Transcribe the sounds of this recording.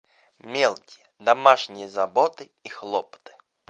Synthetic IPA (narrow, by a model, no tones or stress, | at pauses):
mʲelˠkʲijəd̪amaʂnʲɪjəzabɔt̪ɨ | ixlˠɔpt̪ɨ̥